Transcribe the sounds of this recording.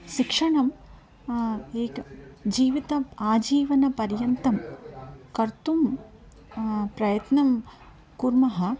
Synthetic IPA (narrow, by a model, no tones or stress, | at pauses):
ʃikʂɐɳɐm | eːkd͡ʒiːʋit̪ɐaːd͡ʒiːʋɐnɐpɐɾjɐnt̪ɐm | kɐɾt̪um | pɾɐjɐt̪nɐm | kuɾmɐɦɐ